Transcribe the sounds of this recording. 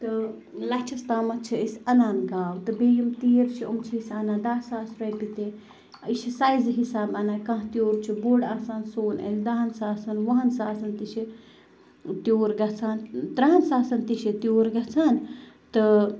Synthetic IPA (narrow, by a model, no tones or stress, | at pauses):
t̪ɨ | lɐt͡ʃʰɐst̪aːmɐt͡ʃʰiisʲɐnaːnɡaːwt̪ɨbeːjimt̪iːɾt͡ʃʰiṵmt͡ʃʰiisʲɐnaːd̪aːsaːsɾɐjpit̪e | iʃisajzɦisaːbɐnaːkɐ̃ɦt̪joːɾt͡ʃʰiboːɖaːsaːnsoːnɐ̰lʲd̪ɐɦɐnsaːsɐnʋɐɦɐnsaːsɐnt̪iʃi | t̪joːɾɡɐt͡sʰaːnt̪ɾɐɦɐnsaːsɐnt̪iʃit̪joːɾɡɐt͡sʰaːn | t̪ɨ